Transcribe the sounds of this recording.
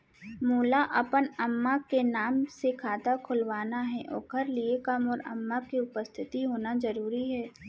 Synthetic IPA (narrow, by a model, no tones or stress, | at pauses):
muːlaʔɐpənɐmːakenaːmsekʰaːd̪akʰʊlʋaːnaɦɛʔɔ̰ːkʰəɾliekamɔːɾɐ̰mːakiʊpəst̪ʰɪt̪iɦoːnazɐɾuːɾiɦɛː